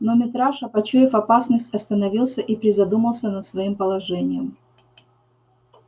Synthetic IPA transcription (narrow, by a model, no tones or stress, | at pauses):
nomʲɪt̪ɾaʂɐpɐt͡ɕujɪfɐpasnəsʲtʲɐst̪ənɐvʲilˠsʲəʔipɾʲɪzɐd̪uməlˠsʲənət̪svɐimpəlˠɐʐɛnʲɪjəm